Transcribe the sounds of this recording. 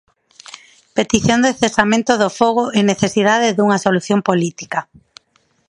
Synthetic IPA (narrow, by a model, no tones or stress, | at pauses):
pet̪iθjõnd̪eθesamẽnt̪oðofoɣoʔeneθesiðaðeðuŋaɐsoluθjompolit̪i̥ka